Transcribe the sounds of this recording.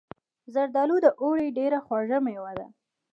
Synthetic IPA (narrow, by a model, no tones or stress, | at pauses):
zaɾd̪ɑlud̪əʔoɽeɖeɾaxwaʐəmewad̪a̰